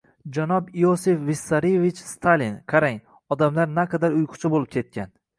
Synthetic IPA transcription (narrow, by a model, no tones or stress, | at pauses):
d͡ʒanɒbijosefvisːaɾievit͡ʃst̪ʰalinqʰaɾaŋ | ɒd̪amlaɾnaqʰɑd̪aɾʊjqʰʊ̥t͡ʃʰɪbolˠɪp̚kʲʰe̞t̪̚kʲʰan